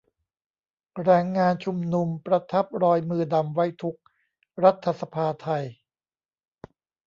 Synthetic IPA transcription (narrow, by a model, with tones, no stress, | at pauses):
ɾɛː˧˩ŋːaː˧nt͡ɕʰu˧mnu˧mpɾa˧t̪ʰa˦˥p̚ɾɔː˧jmɯː˧da˧mwa˦˥jt̪ʰu˦˥k̚ | ɾa˦˥t̪ʰːa˧sa˧pʰaː˧t̪ʰa˧j